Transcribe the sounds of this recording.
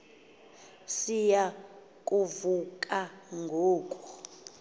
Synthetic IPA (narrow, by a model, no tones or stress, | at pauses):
sija | kʼuvukʼaŋɡʱoːkʼɔ